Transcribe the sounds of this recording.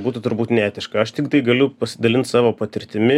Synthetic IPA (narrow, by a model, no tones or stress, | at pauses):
buːt̪ʊt̪ʊɾbuːt̪nʲæːt̪ʲɪʃkɐɐʃt̪ʲɪkt̪ɐɪɡɐlʲʊpɐsʲɪd̪ɐlʲɪnt̪sɑːʋoːpɐt̪ʲɪɾʲt̪ʲɪmʲɪ